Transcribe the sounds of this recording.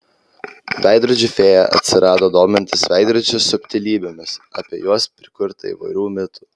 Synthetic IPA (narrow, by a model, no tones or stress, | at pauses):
ʋʲæˑɪd̪ɾɐd͡ʒʲʊfʲeːjɛʔɐ̰t̪ʲsʲɪɾɑːd̪oːd̪oːmʲɛnʲt̪ʲɪsʋʲæɪd̪ɾɐd͡ʒʲɛsʊpʲt̪ʲɪlʲiːbʲeːmʲɪsɑ̰ːpʲiɛjuɔspʲɾʲɪkʊɾt̪ɐḭːʋɐ̰ɪɾʲuːmʲɪt̪u̥ː